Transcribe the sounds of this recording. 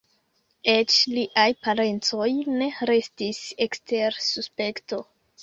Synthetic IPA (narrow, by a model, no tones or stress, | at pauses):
e̞t͡ʃliʔajpaɾe̞nt͡so̞jne̞ɾe̞stise̞kste̞ɾsuspe̞kto̞